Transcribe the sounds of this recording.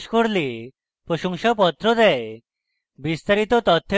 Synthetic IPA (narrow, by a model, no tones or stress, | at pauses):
ʃkoɾle | pɾoʃɔŋʃapɔt̪ːɾod̪ɛe | bist̪aɾit̪ot̪ɔt̪ʰːe